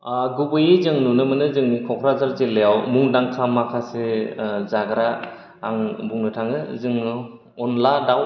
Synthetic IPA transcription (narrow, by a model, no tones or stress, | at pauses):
aɡubɯjezɯŋnunɯmɯnɯzɯŋnikʰɔkʰɾazaɾzelejawmuŋdaŋkʰamːakʰasezaɡɾaː | ŋbuŋnɯtʰaŋɯzɯŋɯ | ɔnladaw